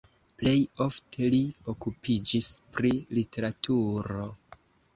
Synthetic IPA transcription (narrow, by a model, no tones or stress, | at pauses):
ple̞jo̞ftʰe̞lio̞kupid͡ʒispɾilitʰe̞ɾatʰuɾo̞